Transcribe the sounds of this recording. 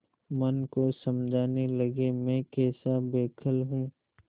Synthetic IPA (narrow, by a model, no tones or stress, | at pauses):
mɐnkosɐmd͡ʒʱaːnelɐɡemɛ̃ːkɛːsabeːkʰəlɦũː